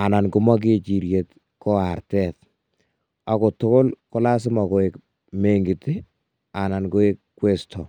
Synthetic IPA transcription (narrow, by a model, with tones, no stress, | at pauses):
a˨na˨nku˦ma˦k̬e˦t͡ʃi˨ɾje˨t | kɔ˦artɛt | a˨ko˨tʊ˦kʊ˦lkɔ˦la˦s̬ɪ˦ma˨ko˨e˨k | me˨ŋɡi˨tɪ˦ | a˨na˨nko˦e˦kkːwe˦stʰɔ˨